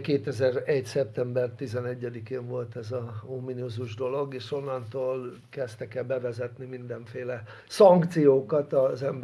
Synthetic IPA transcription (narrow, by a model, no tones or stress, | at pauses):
keːt̪ɛzɛrɛɟsɛp̚t̪ɛmbɛrt̪izɛnɛɟːɛd̪ikeːɱvo̞lt̪ɛzɒomːinuzuʒd̪o̞lo̞ɡeːʃo̞nːɒnt̪oːl | kɛst̪ɛkɛlbɛvɛzɛt̪nimind̪ɛɱfeːlɛ | sɒŋkt̪sijoːkɒt̪ɒzɛmb